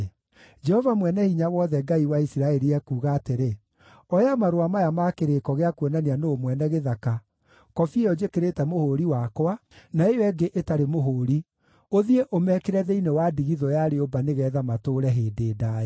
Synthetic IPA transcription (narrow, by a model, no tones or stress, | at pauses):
d͡ʒɛhɔvamwɛnɛhiɲawɔðɛɡaiwaisiɾaɛɾiɛkuːɣaːteɾe | ɔjamaɾoamajamakeɾekɔɣeakwɔnanianoomwɛnɛɣeðaka | kɔfiejɔd͡ʒekeɾetɛmohoɾiwakwanaejoɛɡeʔetaɾemoɦoːɾi | oðieʔomɛkeɾɛðɛinewadiɣiðɔjaɾeobaneɣɛːðamatoːɾɛɦeːdeːdaːɛ